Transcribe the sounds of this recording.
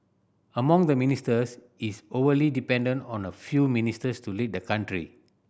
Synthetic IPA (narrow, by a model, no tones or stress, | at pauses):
əmãŋdəministəs | isovəlidipɛ̃ndə̃ntɔ̃nəfjumĩnistəstulit̚dəkãntɹḭ